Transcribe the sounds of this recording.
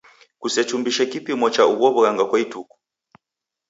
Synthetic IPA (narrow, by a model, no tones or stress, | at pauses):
kusɛt͡ʃumbiʃɛkipimɔt͡ʃauβɔβuɣaŋɡakwaituku̥